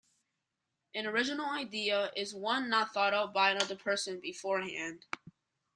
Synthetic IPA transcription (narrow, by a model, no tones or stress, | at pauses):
ʔɨ̃nə˞ɪd͡ʒɨnl̩ˠaɪdiəʔɪzwʌ̃nːət̪̚θɔɾʌʊt̚b̥aɪɨ̃nʌðə˞pʰɜ˞sɨ̃nbɨfɔɹɦæ̃nd̥